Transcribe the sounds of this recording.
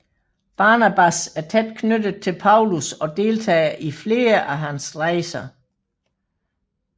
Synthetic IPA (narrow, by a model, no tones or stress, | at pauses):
b̥ɑ̈ːnæb̥æsæɐt͡sʰed̥kʰnød̥əð̩ˠt͡sʰe̝lpʰɑ̈ʊlusɒ̽d̥e̝ːlt͡sʰɛ̰ːɐʔifle̝ːɐʔæɦænsʁɑɪsɐ